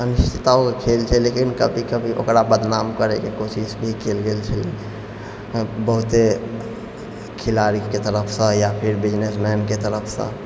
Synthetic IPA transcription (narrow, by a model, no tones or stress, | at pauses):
ənuʃt̪ʰit̪aokekʰelt͡ʃʰɛlekinkəbʱikəbʱiʔo̰kɾabəd̪namkəɾekekosisbʱikelɡelt͡ʃʰəli | bəɦut̪e | kʰilaɾiket̪əɾəpʰsə̃japʰiɾbid͡ʒnesnəjnket̪əɾəpʰsə̰̃